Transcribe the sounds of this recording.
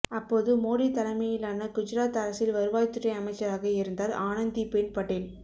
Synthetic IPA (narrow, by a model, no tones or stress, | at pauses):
ɐpːoːðɯmoːɽit̪ɐlɐmɐjɪlaːnɐkʊd͡ʒɪɾaːt̪ɐɾɐsɪlʋɐɾɯʋaːjt̪ːɯʈːɐɪɐmɐɪt͡ʃːɐɾaːɣɐɪɾɯnd̪aːlaːnɐnd̪ipeːnpɐʈːel